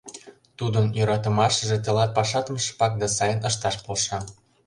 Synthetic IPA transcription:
t̪ud̪ənjøɾɑt̪ə̆mɑʃəʒet̪ĕlɑt̪̚pɑʃɑt̪əməʃpɑk̚d̪ɑsɑjənəʃt̪ɑʃpolʃɑ

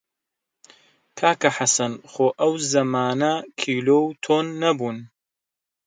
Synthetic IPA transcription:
kʰaːkɐħasɐnxoːʔɐwzɐmaːnɐkʰiːloːwt̪ʰoːnːɐbuːn

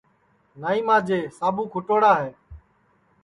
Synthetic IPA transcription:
naːiːmãːd͡ʒeːsaːbʱũːkʰʊʈoːɽaːɦeː

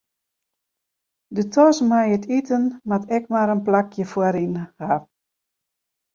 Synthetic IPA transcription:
dətʰɔsmajətʰitənmatɛkmaɾənplakʰjəfwaɾinha

